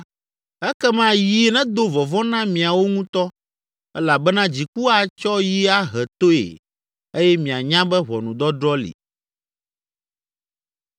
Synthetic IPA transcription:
ɛ˦kɛ˦mã˦ji˨˦nɛ̃˦d̪o˦vɔ˨vɔ̃˦nã˦mĩ˨a˨wo˦ŋũ˦t̪ɔ˦ | ɛ˦la˨bɛ˦nã˦d͡ʑi˨ku˦a˨t͡ʃɔ˦ji˦a˦ɦɛ˨t̪o˦ḛ˨ | e˦jɛ˦mĩ˨a˨ɲã˦bɛ˦βɔ˨nũ˨d̪ɔ˦d̪ɾɔ˦lḭ˨

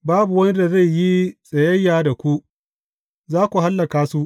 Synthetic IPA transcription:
baː˦bu˨wɐ˦ni˦da˨za˦˨jːi˦sʼɐ˨jɐ˦jːaː˨da˨kʷu˦ʔ | zaː˦kʷu˨ɦa˦lːɐ˨kaː˦su˦ʔ

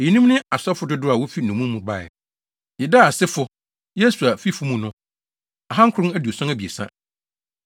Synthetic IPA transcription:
e˨jĩ˨nĩ˦mnɪ̃˦a˨sɛ˦fʊ˦dʊ˦dʊ˦a˨wɔ˦fi˦nʊ̃˨mũ˦mũ˨ba̰˨ɛ̰˨ | jɪ˨da˦a˨sɪ˦fʊ˨ | jɛ˦su˨a˨fi˦fʊ˦mũ˦nʊ̃˦ | a˨ɦã˦ŋ̩kʷʰɾʊ̃˦næ˦du˨o˨sɔ̃˦næ˦bi˨e˨sã̰˦

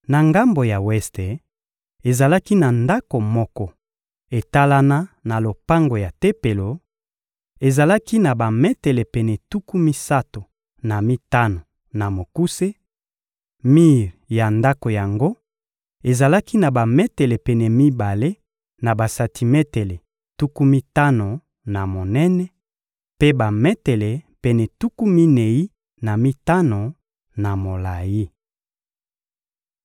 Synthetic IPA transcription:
na˨ŋɡa˦mbo˨ja˨wɛ˦ste˨ | e˨za˨la˦ki˦na˨nda˦ko˨mɔ˦kɔ˦ | e˨ta˦la˦na˦na˨lo˨pa˦ŋɡo˨ja˨te˦pe˨lo˨ | e˨za˨la˦ki˦na˨ba˨mɛ˦te˨le˨pɛ˨nɛ˨tu˦ku˦mi˦sa˦to˨ | na˨mi˦ta˦no˨ | na˨mo˨ku˦se˦ | mi˦ʁja˨nda˦ko˨ja˨ŋɡo˦ | e˨za˨la˦ki˦na˨ba˨mɛ˦tɛ˨lɛ˨pɛ˨nɛ˨mi˦ba˨le˦ | na˨ba˨sa˨tʰi˨mɛ˦tɛ˨lɛ˨ | tu˦ku˦mi˦ta˦no˨ | na˨mo˨nɛ˦nɛ˦ | pe˦ba˨mɛ˦tɛ˨lɛ˨pɛ˨nɛ˨tu˦ku˦mi˦ne˨ji˦ | na˨mi˦ta˦no˨ | na˨mo˨la˨ji˦

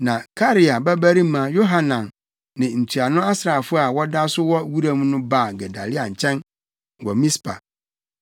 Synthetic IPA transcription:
nã˨kʰa˦ɾi˨a˨bæ˦bæ˦ɾi˦mã˨jo˦ɦa˦nã˨nː | ɪ̃˨n̩˨tʰi˨a˨nʊ̃˦a˦sɾa˨fʊ˦a˨wɔ˦da˦sʊ˦wɔ˦wu˦ɾa˦mũ˦nʊ̃˦baː˦˨ɡɛ˨da˨lɪ˦a˨ɲ̩˨t͡ɕʰɛ̃˦n | wɔ˨mĩ˦spʰa̰˨

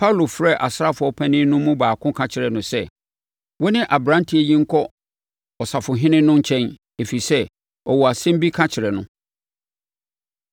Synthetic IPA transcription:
pʰa˦˨lo˨fɾɛ˦˨ʔa˨sɾa˦fʊ˨˦ɔ˦pʰɛ̃˦nɪ̃˦nʊ̃˦mũ˦baː˨kʰʊ̃˦kʰã˨t͡ɕʰɪ˨ɾɛ˨nʊ̃˨sɛ˦ | wɔ˦nɪ̃˦ʔa˨bɾã˦ntʰi˨˦e˨jĩ˦ŋ̩˦kʰɔ˦ | ɔ˨sa˨fʊ˨ɦɪ̃˦nɪ̃˦nʊ̃˦ɲ̩˦t͡ɕʰɛ̃˦n | e˨fi˨sɛ˦ | ɔ˨wɔ˨a˨sɛ̃˦m˦bi˦kʰã˦t͡ɕʰɪ˨ɾɛ˨nʊ̃˦

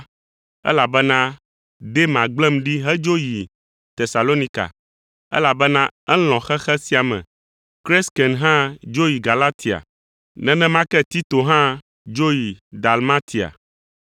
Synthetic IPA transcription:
ɛ̰˦la˨bɛ˦nã˦ | ɖe˦mã˨ɡ͡blɛ̃˦mɖi˦ɦɛ˦d͡ʒo˦ji˨ | t̪e˨sa˨lo˦nĩ˦ka̰˨ | ɛ̰˦la˨bɛ˦nã˦ɛ˦l̃ɔ̃˨xɛ˦xɛ˦si˦a˨mɛ̰̃˨ | kɾɛ˦skɛ˨nɦã˦d͡ʒo˦ji˨ɡa˨la˦t̪ʰi˨a̰˨ | nɛ̃˦nɛ̃˦mã˦kɛ˦t̪i˦t̪o˨ɦã˦ | d͡ʒo˦ji˨d̪a˨lma˦t̪ʰi˨a̰˨

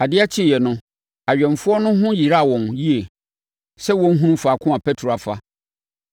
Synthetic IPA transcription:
a˨dɪ˦a˦t͡ɕʰɪ˦˨jɛ˨nʊ̃˦ | a˨ɥᶣɛ̃˨ɱ˨fʊ˦ɔ˦nʊ̃˦ɦʊ̃˦ji˨ɾa˦a˨wɔ̃˨nji˦e˨ | sɛ˦wɔ̃˦n̩˦ɦũ˦ũ˦fa˨kʰʊ̃˦ã˨pʰɛ˦tʰɾo˨a˨fa̰˦

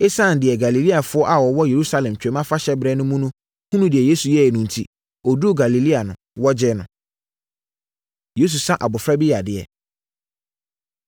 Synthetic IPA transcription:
e˦sã˦˨n̩˨dɪ˨ɛ˨ɡa˨li˨li˦a˨fʊ˦ɔ˦ʔa˨wɔ˨wɔ˦je˨ɾu˦sa˦lɛ̃˨mt͡ɕᶣɛ˨˦mã˦fa˦ɕɛ˦bɾɛ˦nʊ̃˦mũ˦nũ˦ | hũ˦nũ˦dɪ˨ɛ˨je˦su˨jɛ˦ɛ˨nũ˨n˨tʰḭ˦ | ɔ˨du˦o˦˨ɡa˨li˨li˦a˨nʊ̃˨ | wɔ˦d͡ʑɛ˦nʊ̃˨ | je˦s̬u˨sã˦ʔa̰˨bʊ˨fɾa˦bi˦ja˨dɪ˨ɛ̰˨

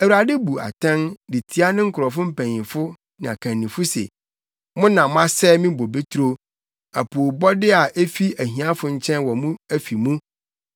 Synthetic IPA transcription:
æ˨wu˨ɾa˨dɪ˦bu˨a̰˨tʰã˦ndɪ˨tʰi˦a˦nɪ̃˦ŋ̩˦kʰʊ˨ɾɔ˨fʊ˦m̩˦pæ̃˨ɲɪ̃˨fʊ˦ | nã˨a˨kʰã˨nːĩ˨fʊ˦sḛ˨ | mʊ̃˦nã˨mʊ̃˦a˦sɛ˦mĩ˦bo˨be˦tʰu˦ɾo˦ | a˨pʰu˨o˨bɔ˦dɪ˦a˨ʔe˦fi˦æ˨ɦĩ˨a˦fʊ˨ɲ̩˦˨t͡ɕʰɛ̃˦nwɔ˨mũ˦æ˦fi˨mũ˦

